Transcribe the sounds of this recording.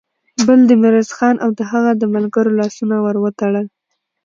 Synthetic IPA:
bəld̪əmɪɾasxɑnʔawd̪əɦaɣad̪əmalɡaɾolɑsunawəɾwət̪aɽəl

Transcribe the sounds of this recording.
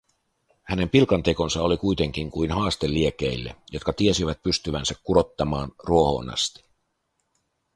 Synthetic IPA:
hæne̞mpilkɑnt̪e̞ko̞nsɑo̞likujt̪e̞ŋk̟iŋkujnɦɑːst̪e̞lːie̞ke̞ilːḛjo̞t̪kɑt̪ie̞siʋæt̪̚pyst̪yʋænsækːuɾo̞t̪ːɑmɑːnruo̞ho̞̰ːnɑ̰st̪i̥

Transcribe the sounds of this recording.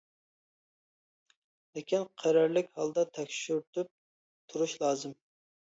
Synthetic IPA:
lɪkʲinqʰæɾɑɾlɪkʲhɑlˠd̪ɑt̪ʰɛkʲʃyɾt̪ʰyp̚ | t̪ʰuɾuʃlˠɑːzɨm

